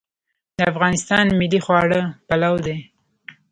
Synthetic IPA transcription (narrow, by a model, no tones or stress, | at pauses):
d̪̥əafɣɑnɪst̪ɑnmɪlːixwɑɽəpalawd̪e